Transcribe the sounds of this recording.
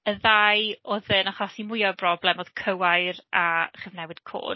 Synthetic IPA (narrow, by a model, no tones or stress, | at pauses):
əðajoðɨnaχɔsimʊjɔbrɔblˠɛmoð̥kʰəwajɾʔaχɪvnɛwɨd̥kʰo̰ːd